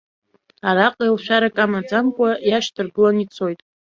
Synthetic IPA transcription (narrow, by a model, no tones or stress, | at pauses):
aɾaqʼalʃᶣaɾakʼamad͡zamkʷʼajaʃdʰɨrɡɨlanit͡sʰo̞jtʼ